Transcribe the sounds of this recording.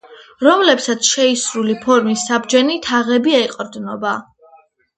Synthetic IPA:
ɾɔmlɛpsat̪sʰʃɛisɾulipʰɔɾmisːabd͡ʒɛnit̪ʰaʁɛbiɛɛqʼɔɾd̪nɔba

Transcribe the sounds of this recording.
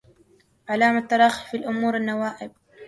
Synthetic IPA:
ʕalaːmat̪ːɑɾˤɑːxifilʔʊmuːɾanːawaːʔɪb̚

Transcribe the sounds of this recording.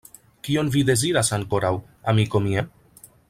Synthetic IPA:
kio̞nvid̪e̞ziɾasaŋko̞ɾaw | amiko̞mia

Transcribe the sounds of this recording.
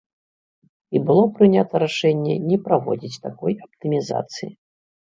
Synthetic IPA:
ibɨlˠɔpɾɨnʲat̪ɐɾaʂɛnʲːɛ̰nʲɛpɾavɔ̰d͡zʲit͡sʲt̪akɔjapt̪ɨmʲiza̰t̪sɨji

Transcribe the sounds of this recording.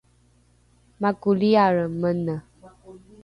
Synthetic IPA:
makuliaɻəmənə

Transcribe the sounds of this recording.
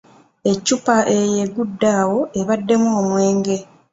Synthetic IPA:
e̞cːupaʔejeɡudːaːwo̞ʔeβadːe̞muomwe̞ːŋɡe̞

